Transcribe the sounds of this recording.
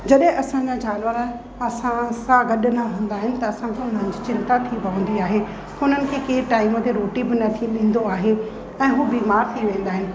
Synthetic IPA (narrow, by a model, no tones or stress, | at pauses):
d͡ʑɐɗɦɪ̃ʔɐsãd͡ʑad͡ʑaːnʋəɾ | ɐsãsãɡɐɗnaɦũːnd̪aːɦɪnɪ̆t̪ɐɐsãkʰeʊn̤ənɪ̆d͡ʑit͡ɕɪ̃nt̪at̪ʰipɐʋə̃nd̪iaːɦe | ʊn̤ənɪ̆kʰeːkeːʈaːɪmət̪eɾoːʈibɪnɐt̪ʰiɗĩːn̆d̪oaːɦe | ɛ̃ːɦuːbiːmaːɾt̪ʰiʋẽːn̆d̪aːɦɪnɪ̆